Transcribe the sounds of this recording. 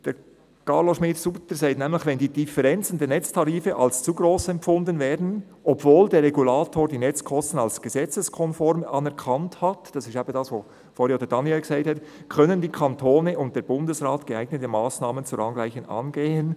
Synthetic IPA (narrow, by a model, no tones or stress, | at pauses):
d̥ɛː | kɑɾloʃmɪtsuptəsaɪtnɛːmlɪçvɛndiːdɪfɛɾɛnt͡sn̩deːnɛt͡stʰɑɾiːfəʔɑlst͡suɡɾoːsɛmfʊndənvɛːdn̩ | ʔɔbvoːldeːrːɛɡulaːtʰoːɾdiːnɛt͡skʰɔstən̩alsɡ̥əzɛt͡səskʰɔnfɔɾmɑnɛɾkʰɑnthɑtd̥ɑsɪstaːbədɑːsʋoː | foːɾioːd̪ədɑnjɛlɡ̥əzaɪthɛtkʰœnəndiːkʰɑntʰoːnəʔʊnt̚d̥eːɾbʊndəsʁaːtɡ̥əaɪɡnətəmaːsnaːmənt͡suɾɑnɡlaɪçənɑ̰nɡeːən